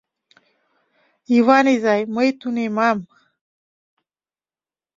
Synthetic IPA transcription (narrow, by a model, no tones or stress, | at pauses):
iwanizajməjt̪unemam